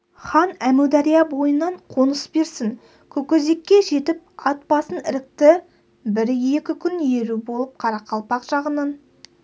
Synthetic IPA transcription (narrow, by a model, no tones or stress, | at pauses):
χɑnæmuwd̪ɑɾijɑbo̞jənːɑɴqʰo̞nəsbe̞ɾsɪŋ | kʲʰɵkʲeze̞kʲːe̞ʒe̞t̪ɪp̚ɑt̪̚pɑsənɪɾɪk̚t̪ɪ | bɪɾjekʲɪkʲʰʏnje̞ɾubo̞lˠəp̚qʰɑɾɑqʰɑlˠpɑqʒ̥ɑʁənɑn